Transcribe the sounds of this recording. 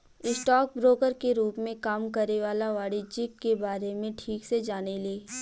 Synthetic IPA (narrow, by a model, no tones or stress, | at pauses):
ɪsʈɔːk̚bɾoːkəɾkeɾuːpmẽkaːmkəɾeʋaːlaʋaːɽid͡ʒɪkːebaːɾemẽʈʰiːksed͡ʒaːneleː